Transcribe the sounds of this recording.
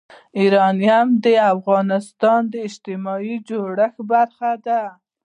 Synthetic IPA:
iɾɑnjamd̪əafɣɑnɪst̪ɑnd̪əɪd͡ʒt̪ɪmɑjid͡ʒoɽəxbaɾxad̪a

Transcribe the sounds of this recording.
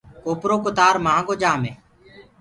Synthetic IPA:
koːpɾoːkʊt̪aːɾmãːɡoːd͡ʒaːmẽː

